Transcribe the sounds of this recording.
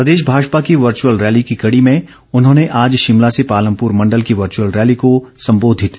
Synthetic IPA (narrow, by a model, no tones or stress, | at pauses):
pɾɐd̪eːʃ̬bʱaːd͡ʒpakiʋɐɾt͡ʃuwəlɾɛːlikikɐɽimẽ | ʊnɦõːneʔaːd͡ʒʃɪmlasepaːlə̃mpʊːɾmɐ̃ɳɖəlkiʋɐɾt͡ʃuəlɾɛːlikosɐ̃mboːd̪ʱɪt̪